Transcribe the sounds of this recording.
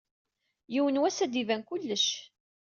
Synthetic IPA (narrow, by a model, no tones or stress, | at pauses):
jiwənwæsæd̪ivænkʊlːəʃ